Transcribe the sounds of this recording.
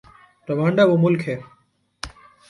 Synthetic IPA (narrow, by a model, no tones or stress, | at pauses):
pɾɐʋãːɳɖaːʋoːmʊlkɦeː